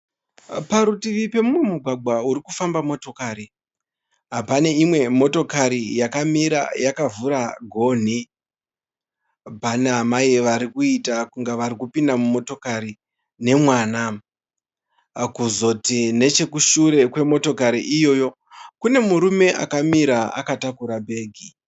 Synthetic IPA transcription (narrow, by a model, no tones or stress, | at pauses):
paɾutiʋipe̞mumwemuɡʱwaɡ͡bʱwauɾikufambamo̞to̞kaːɾi | ɦapane̞imwe̞mo̞to̞kaɾijakamiɾa̰jakavuɾaɡʱo̞n̤i | baneɦamajeʋaɾikuitakuŋɡaʋaɾikupindamumo̞to̞kaɾi | ne̞mwaːna | kuzo̞tine̞t͡ʃe̞kuʃuɾe̞kwe̞mo̞to̞kaɾiʔijo̞ːjo̞ | kune̞muɾume̞ʔa̰kamiɾaa̰katakuɾabʱe̞ːɡʱi